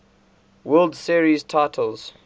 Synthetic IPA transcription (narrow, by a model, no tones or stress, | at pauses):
wɜlˠdsiɹiztʰaɪtʰəlz̥